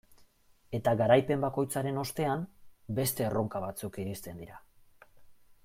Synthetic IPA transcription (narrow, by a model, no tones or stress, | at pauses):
e̞t̪aɣaɾajpe̞mbako̞jt͡saɾe̞no̞st̪e̞ambe̞st̪e̞ːro̞ŋkaβat͡sukiɾist̪e̞nd̪iɾa